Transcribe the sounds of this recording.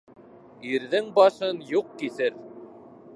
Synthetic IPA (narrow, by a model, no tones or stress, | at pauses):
iɾðɘŋbɑʃɤnjuq̚kiθɘɾ